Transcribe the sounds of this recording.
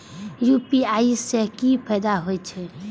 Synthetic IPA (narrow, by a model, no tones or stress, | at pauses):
jupiaisːekipʰəjd̪aɦojt͡ʃʰɛ